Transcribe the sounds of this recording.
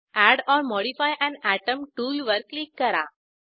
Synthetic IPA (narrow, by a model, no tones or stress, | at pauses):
æɽɔɾmɔɽifajʔɛ̃ɳæʈəmʈuːlʋəɾklikːəɾa̰